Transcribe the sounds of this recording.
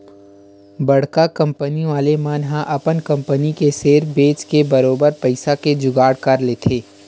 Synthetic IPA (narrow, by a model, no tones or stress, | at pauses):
bɐɽ̤kakɐ̃mpəniʋaːlemanɦãʔɐpənkɐ̃mpənikeseːɾbeːt͡ʃkebɐɾoːbəɾpɐɪsaked͡ʒʊɡaːɽkɐɾleːt̪ʰeː